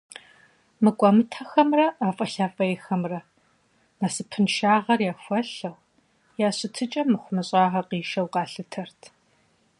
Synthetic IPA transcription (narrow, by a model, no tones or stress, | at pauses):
mɨkʷʼɐmɨtʰɐxɐmrɐʔaːfʼɐɬaːfʼɐjɛxɐmrɐ | mɐsɨpʰɨnʃaːʁɐrjaːxʷɐɬɐw | jaːɕɪtʰɨt͡ʃʼɐmɨχʷʊmɨɕʼɑːʁɐqiːʃɐwqɑːɬɨtʰɐrtʰ